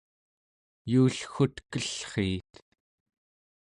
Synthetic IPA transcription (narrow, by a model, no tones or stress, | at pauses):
juːɬxut̪kəɬχeːt̪